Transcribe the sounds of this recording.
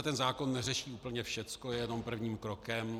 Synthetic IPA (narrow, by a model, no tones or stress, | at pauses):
t̪ɛnzaːkonːɛrɛʃiːʔuːpl̩ɲɛfʃɛt͡skojɛjɛno̞mpr̩vɲiːmkɾokɛm